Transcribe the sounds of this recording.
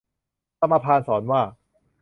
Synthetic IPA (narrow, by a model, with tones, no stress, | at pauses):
ta˧mːaː˧pʰaː˧nsɔː˩˦nwaː˥˩